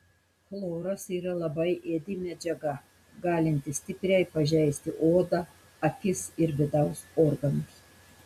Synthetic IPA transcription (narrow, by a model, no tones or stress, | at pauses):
flˠoːɾɐsiːɾɐlˠɐbɐɪʔeːd̪ʲɪmʲɛd͡ʒʲɛɡɐ | ɡɑːlʲɪnʲt̪ʲɪsʲt̪ʲɪpʲɾʲɛɪpɐʒʲɛɪsʲt̪ʲɪʔoːd̪ɑ | ɐkʲɪsɪɾʋʲɪd̪ɐʊsoːɾɡɐnʊs